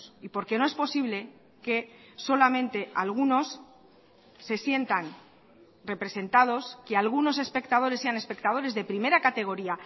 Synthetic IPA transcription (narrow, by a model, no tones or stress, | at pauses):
sipo̞ɾke̞noe̞spo̞siβle̞ | ke̞so̞lamẽ̞nt̪e̞ʔalɣ̞uno̞s | e̞sje̞nt̪an | re̞pɾe̞se̞nt̪að̞o̞skealɣ̞uno̞se̞spe̞kt̪að̞o̞ɾesːe̞ane̞spe̞kt̪að̞o̞ɾe̞zðe̞pɾime̞ɾakat̪e̞ɣ̞o̞ɾia